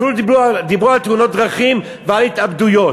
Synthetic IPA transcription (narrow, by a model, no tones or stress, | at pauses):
filud̪ibud̪ibʁualt̪uno̞t̪̚d̪ʁaχim | vealit̪abd̪ujo̞